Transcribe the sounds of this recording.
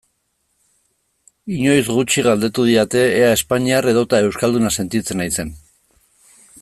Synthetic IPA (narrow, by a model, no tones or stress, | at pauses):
iɲo̞jzɣut͡ʃiɣald̪e̞t̪uð̞iɾat̪e̞ːae̞spaɲiare̞ðo̞t̪ae̞wskald̪unase̞nt̪it͡se̞najse̞n